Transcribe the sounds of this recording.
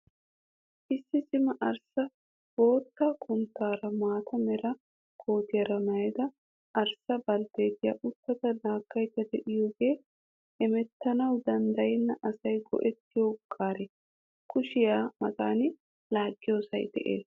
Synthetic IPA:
ʔɪsːɪsɪmɐʔɐɾsɐ | bo̞ːt̪ːɐkʰʊnt̪ːaːɾɐmaːt̪ʰɐmɛɾɐ | kʰo̞ːt̪ɪjɐɾɐnɐjɛd̪ɐ | ʔɐɾsɐbɐld̪eːd̪ɪjɐʔʊt̪ːɐt̪ɐd̪aːkːɐjt̪ːɐd̪ɛʔɪjoːɡe̞ː | ɛmɛt̪ːɐnɐwd̪ɐnd̪ɐjɪnːɐʔɐsɐjɡɔ̰ʔɛt̪ːɪjokʼːaːɾɛ | kʰʊʃɪjaːmɐkʼaːnɪ | laːɡʼːɪjo̞ːsɐ̰jd̪ɛ̰ʔḛːs

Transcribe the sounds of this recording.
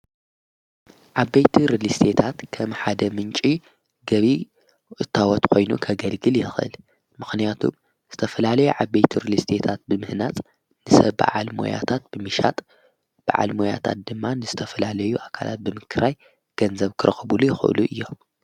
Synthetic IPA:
ʕabːejt̪ʰiɾɨlist̪ʰet̪ʰat̪kʰɐmħad̪ɐmɨnt͡ʃʼi | ɡɐβi | ʔɨt̪ʰːawɔt̪kʰo̞jnṵkʰɐɡɐlɡɨljɪxʔɨ̰l | mɨxnijat̪ʰum | z̥ɨt̪ʰɐfɐlalɐjuʕabːejt̪ʰiɾɨlist̪ʰet̪ʰat̪̚bɨmɨhnat͡sʼ | nɨsɐ̰βba̰ʕalmo̞̰ja̰t̪ʰat̪̚b̥ɨmɨʃat̪ʼ | b̥a̰ʕa̰lmoja̰t̪ʰa̰t̪̚d̪ɨmːanɨzɨt̪ʰɐfɐlalɐjuʔakʰa̰lʔa̰t̪̚bɨmɨkʰɨɾaj | ɡ̥ɐnzɐβkʰɨɾɐxɨbulujɪxʔɨ̰luʔɨjːo̞m

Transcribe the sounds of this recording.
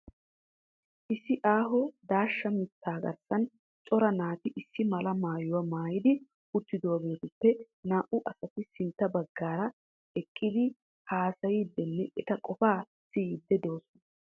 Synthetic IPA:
ʔɪsːɪʔaːɦɔd̪aːʃːɐmɪt̪ːaːɡɐ̰ɾsɐn | t͡ʃʼɔɾɐnaːt̪ɪʔɪsːɪmɐlɐmaːjʊwɐmaːjɪd̪ɪ | ʊt̪ːɪd̪oɐɡeːt̪ʊpːɛ | naːʔʊʔɐsɐt̪ɪsɪnt̪ːɐbɐɡːaːɾɐ | ɛkʼːɪd̪ɪ | haːsɐjiːd̪ːɛnːɛʔɛt̪ɐkʼɔfaː | sɪd̪ːɛd̪oːsɔnɐ

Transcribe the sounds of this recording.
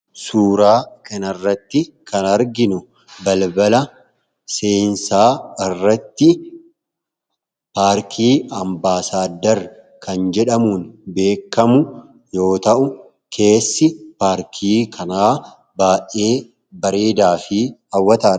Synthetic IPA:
suːɾaːkɐnɐrːɐt̪ːɪ | kɐnɐɾɡɪnʊ | bɐlbɐlɐ | se̞ːnsaːɪrːɐt̪ːɪ | paːɾkʰiːʔɐmbaːsaːd̪ːɐɾ | kʰɐnd͡ʒɛᶑɐmuːnbe̞ːkːɐmʊ | jo̞ːt̪ɐʔʊ | kʰe̞ːsːɪpaːɾkʰiːkʰɐnaː | baːʔe̞ː | bɐɾe̞ːd̪aːfɪɐwːɐt̪aː

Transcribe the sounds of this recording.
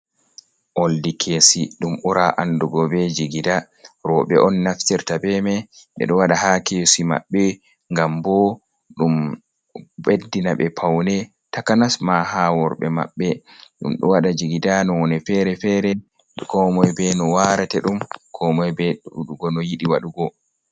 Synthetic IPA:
ʔoldikʰesiɗumʔuɾaʔanduɡɔbɛd͡ʒiɡida | ɾɔɓɛʔɔnːaftiɾtabɛmɛɓɛ̰ɗɔwaɗahakesima̰ɓːɛ | ŋɡambɔ | ɗum | bedːinaɓɛpʰawnɛ | takanasmahawɔɾɓɛ̰ma̰ɓːɛɗṵmɗɔwaɗad͡ʒiɡidanɔwɔnɛfɛɾɛfɛɾɛ | kɔmɔjbɛnɔwaɾatɛɗumkʰɔmɔjbɛuɗuɡɔnɔjiɗiwaɗuɡɔ

